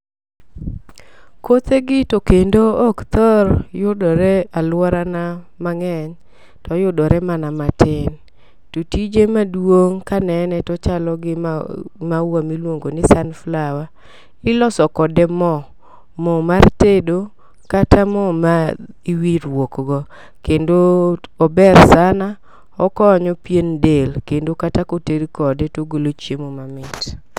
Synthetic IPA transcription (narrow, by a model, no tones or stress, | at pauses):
kot̪eɡɪtokendoːkt̪ɔɾjʊdɔɾɛalwɔɾana | maŋɛɲ | tɔjʊdɔɾɛmanamatɪn | totid͡ʒemadwoŋkanɛnɛtɔt͡ʃalɔɡɪmawamilwoŋɡonɪsanflawa | ɪlɔsɔkɔdɛmɔ | mɔmartedo | katʰamɔma | iwiɾwokɡɔ | kendoɔbɛrsana | ɔkɔɲɔpjendelkendokatakoteɾkɔdɛtoɡolot͡ʃjemomamɪt